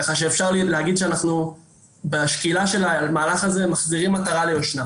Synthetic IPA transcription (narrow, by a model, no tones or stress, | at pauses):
kaχaʃ̬eefʃaʁlileɦaɡid̪ʃeanaχnu | beʃkilaʃe̞lalmaːlaχaze̞maχziʁimat̪aʁalejoʃna